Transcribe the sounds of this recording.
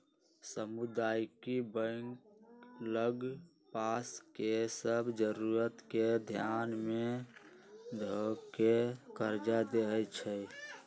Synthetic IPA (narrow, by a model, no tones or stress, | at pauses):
səmud̪ajkibə̃ŋkləɡ | paskesəbʱd͡ʒəɾuɾət̪ked̪ʱjanme | d̪ʱokekəɾd͡ʒad̪eɦɛt͡ʃʰɛj